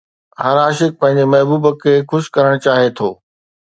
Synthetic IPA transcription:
ɦaɾaːʃɪk̚pɐ̃ɦɪ̃ɲ̆d͡ʑemɐɦbuːbəkʰeːxʊʃkɐɾəɽ̃t͡ɕaːɦet̪ʰoː

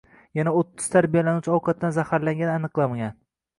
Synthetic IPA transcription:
janaot̪ʰːʊ̥z̥t̪ʰaɾbijalanut͡ʃʰɪɒwqʰɑt̪̚ːanzahaɾlaŋɡʲananɨqlˠamaɡʲan

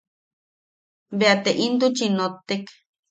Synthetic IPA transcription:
beat̪eʔint̪ut͡ʃinot̪ek

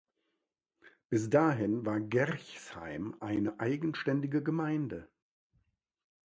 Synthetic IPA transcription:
b̥ɪsd̥aːɦɪnvaːɐɡɛʁçsha̰ɪmʔaɪnəʔaɪɡn̩ʃtɛndɪɡəɡəmaɪndə

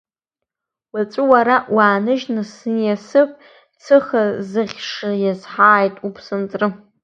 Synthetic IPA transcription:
wat͡sʷʼʊwaɾaʔwaːnɨʒnɨsnjasɨpʷʼ | t͡sʰɨχazɨχʲʂajazħaːjtʼupʰsɨnt͡sʼrɨ

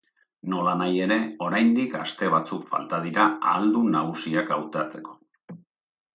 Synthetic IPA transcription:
no̞lanaje̞ɾe̞o̞ɾajnd̪ikast̪e̞β̞at͡sukfa̰lt̪að̞iɾaa̰ld̪unaɣusiakawt̪at͡se̞̥ko̞̥

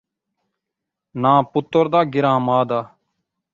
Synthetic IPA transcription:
nãːpʊt̪ːəɾd̪aːɡɪɾãːmaːd̪aː

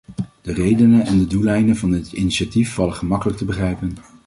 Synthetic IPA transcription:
d̥ərejdənənʔɛndədulɛjnəvɑndɪtiniʃatifːɑləχəmɑkələk̚təbəχrɛjpən

